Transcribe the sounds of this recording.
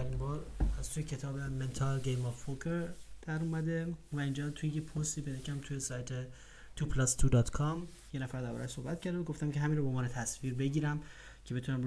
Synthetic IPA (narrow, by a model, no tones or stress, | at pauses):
æɾinbɒːɾæzt̪ʰujecʰe̞t̪ʰɒːbeme̞nt̪ʰɒlɡejmɔvːokʰeɾd̪̥æɾumæd̪evæind͡ʒɒːt̪ʰujejepʰost̪iːbed̪ecʰæmt̪ʰujesɒːjt̪ʰe | t̪ʰupʰlɒst̪ʰud̪ɒːt̪kʰɒm | jenæfæɾd̪æɾbɒ̰ɾæʃsohbæt̪̚cʰæɾd̪æmɡoft̪æmcʰeɦæmiːnɾɔboːmvɒːnet̪ʰæsviːɾbe̞ɟiːɾæm | cʰe̞be̞t̪unæm